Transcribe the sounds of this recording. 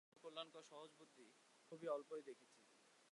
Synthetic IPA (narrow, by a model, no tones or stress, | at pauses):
kolːankɔʃɔɦod͡ʑbut̪ːikʰobiɔlpoed̪ekʰet͡ɕʰi